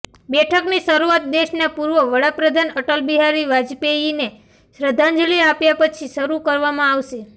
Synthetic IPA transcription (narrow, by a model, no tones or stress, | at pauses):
bɛʈʰəkniʃəɾuat̪̚d̪eʃnapuɾʋəʋəɽapɾəd̪ʱanəʈəlbiɦaɾiʋad͡ʒpejine | ʃɾəd̪ʱãnd͡ʒəliapjapət͡ʃʰiʃəɾukəɾʋamãaʋʃe